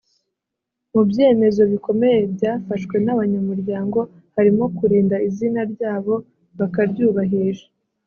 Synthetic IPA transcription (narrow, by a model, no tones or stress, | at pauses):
mubje̞ːme̞zo̞βiko̞me̞je̞bjaːfaʃkwe̞naβaɲamuɾɟaːŋɡo̞ | haɾimo̞kuɾiːndaizinaɾɟaːβo̞ | βakaɾɟuːβaɦiʒḁ